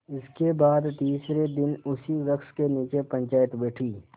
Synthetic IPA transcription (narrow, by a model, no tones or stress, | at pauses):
ɪskebaːd̪t̪iːsɾed̪ɪnʊsiɾɐkskeniːt͡ʃepə̃ɲt͡ʃaːjət̪bɛːʈʰiː